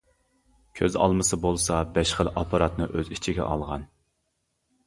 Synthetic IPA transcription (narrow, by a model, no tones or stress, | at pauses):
kʲʰøzɑ̰lˠmɨsɨbolˠsɑbɛʃχəlɑpʰɑɾɑt̪nɨʔøzit͡ʃʰiɡʲɛ̰ʔɑlˠʁɑn